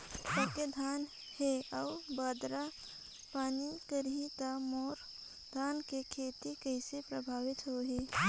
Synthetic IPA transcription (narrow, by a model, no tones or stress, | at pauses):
pɐked̪ʱaːn | heɐʋbaːd̪ɾa | paːnikəɾɦit̪amɔːɾ | d̪ʱaːnkekʰeːt̪ikəɪsepɾəbʱaːʋɪt̪ɦoɦiː